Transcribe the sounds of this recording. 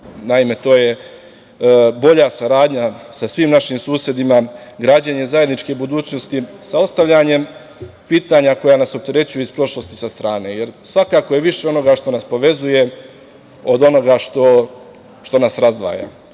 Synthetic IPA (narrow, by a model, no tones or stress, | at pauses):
naime̞t̪o̞ːje̞ | bo̞ʎasaɾaːd̪ɲasasʋiːmnaʃimsuːsje̞d̪imaɡɾaːd͡ʑeɲezaje̞d̪nit͡ʃke̞bud̪uːt͡ɕno̞st̪isao̞st̪aʋʎaɲe̞m | piːt̪aɲako̞jaːnaso̞p̚t̪e̞ɾe̞t͡ɕujuispɾo̞ʃlo̞st̪i̥sast̪ɾaːne̞ːje̞ɾsʋakakoje̞ʋiʃe̞o̞no̞ɡaʃt̪o̞naspo̞ʋe̞zuje̞ | od̪o̞no̞ɡaʃt̪o̞ | ʃt̪o̞nasɾazd̪ʋa̰ːja̰ː